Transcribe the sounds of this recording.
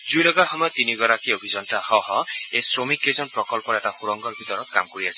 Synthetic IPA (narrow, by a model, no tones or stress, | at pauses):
d͡ʒujlɔɡaxɔmɔjɔt̪iniɡɔɾakiobʱid͡ʒɔntahɔɦɔesɾomikːezɔnpɾɔkɔlpɔɾetaxuɾɔŋɡɔɾbʱit̪ɔɾɔk̚ka̰mkoɾiasʰi̥